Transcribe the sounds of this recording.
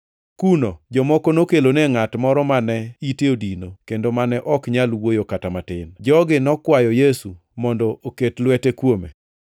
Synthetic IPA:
kunod͡ʒɔmɔkonokeloneŋatmɔɾɔmanɛiteodinokendomanɛʔɔkɲalwojokatamatɪnd͡ʒɔɡɪnɔkwajɔjesu | mɔndɔoketlwɛtekwomḛ

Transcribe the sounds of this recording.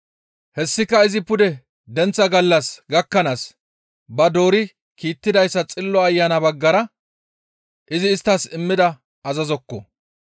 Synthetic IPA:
hɛsːɪkːɐɪzɪpʊd̪ɛ | d̪ɛnt͡sːɐɡɐlːɐsɡɐkːɐnas | bɐd̪o̞ːɾɪ | kiːt̪ːɪd̪ɐjsːɐt͡sʼɪlːɔɐjːanɐbɐɡːɐɾɐ | ʔɪzɪːst̪ːɐsɪmːɪd̪ɐ | ɐzɐzɔkːɔ̰

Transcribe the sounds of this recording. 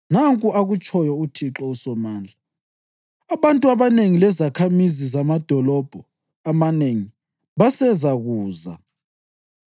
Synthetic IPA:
naŋkʼuaɣut͡ʃʼɔjɔutʰiǁɔusɔmaːnd͡ɮʱa | aβantʼuaβaneŋilɛzakʰamizizamad̥ʱɔlɔb̥ʱɔ | amaneŋi | βasɛzaɣuːza̰

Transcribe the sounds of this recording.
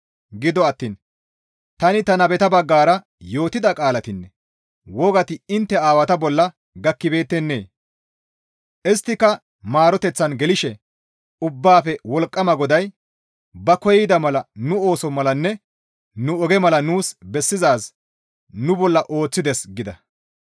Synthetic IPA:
ɡɪd̪ɔɐt̪ːiːn | t̪ɐnɪt̪ɐnɐbɛt̪ɐbɐɡːaːɾɐ | jo̞ːt̪ɪd̪ɐkʼaːlɐt̪ɪnːɛ | wɔɡɐt̪ɪɪnt̪ːɛaːwɐt̪ɐbɔlːɐ | ɡɐkːɪbe̞ːt̪ːɛnːe̞̰ː | ʔɪst̪ːɪkːɐ | maːɾɔt̪ɛt͡sːɐnɡɛlɪʃɛ | ʊbːaːfɛwɔlkʼːɐmɐɡɔd̪ɐj | bɐkɔjd̪ɐmɐlɐnʊo̞ːsɔmɐlɐnːɛ | nʊɔɡɛmɐlɐnuːsbɛsːɪzaːs | nʊbɔlːɐʔo̞ːt͡sːɪd̪ɛsɡɪd̪ɐ

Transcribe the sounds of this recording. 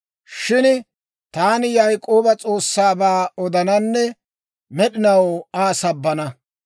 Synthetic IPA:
ʃɪn | t̪aːnɪjɐjkʼːo̞ːbɐt͡sʼo̞ːsːaːbaːɔd̪ɐnɐnːɛ | mɛɗɪnɐwaːsɐbːɐnɐ

